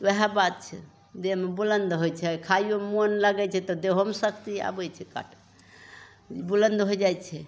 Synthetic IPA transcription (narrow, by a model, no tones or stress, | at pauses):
oɦabat̪̚t͡ʃʰɛ̰ | d̪emebulənd̪ɦojt͡ʃʰɛkʰajomonləɡɛt͡ʃʰɛt̪ɔd̪eɦomesəkt̪ia̰bət͡ʃʰɛka̰ʈʰ | bulənd̪ɦod͡ʒajt͡ʃʰɛ